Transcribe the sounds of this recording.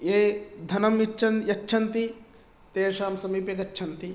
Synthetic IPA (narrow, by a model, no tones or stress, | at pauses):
eːd̪ʱɐnɐmjit͡ʃːt͡ʃʰɐnjɐt͡ʃːʃʰɐnt̪i | t̪eːʃaːmsɐmiːpjɐɡɐːt͡ʃʰɐnt̪i